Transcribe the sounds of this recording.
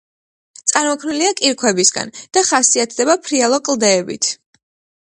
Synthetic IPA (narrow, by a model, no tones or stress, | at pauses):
t̪sʼaɾmɔkʰniliakʼiɾkʰwɛbisɡa̰nd̪̥aχasiat̪ʰd̪ɛbapʰɾialˠɔkʼlˠd̪ɛːbḭt̪ʰ